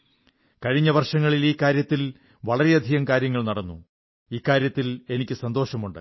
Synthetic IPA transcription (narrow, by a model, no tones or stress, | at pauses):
kɐɻiɲːɐʋɐrʂɐŋːɐɭiliːkːaːɾjɐt̪ːil | ʋɐɭɐɾeɐd̪ʱiɣɐmkaːɾjɐŋːɐɭnɐɽɐnːṵ | iːkːaːɾjɐt̪ːile̞nikʲːɨsɐnd̪o̞ːʂɐmuɳɖɨ̰